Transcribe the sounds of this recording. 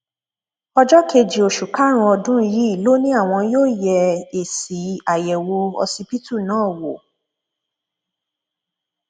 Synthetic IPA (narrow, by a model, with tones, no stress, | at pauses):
ɔ˧d͡ʒɔ˦kʰe˧˨d͡ʒi˨o˨ʃu˨ka˦ɾ̃ũ˧ɔ˧dũ˦˧ji˨˦i˦˨lo˦nĩ˦a˦˨w̃ɔ̃˧joː˦˨jɛ˨e˨si˨˦a˨jɛ˨wo˧ɔ̰˧si˧pi˦tu˦˨nãː˨˦˨wo˨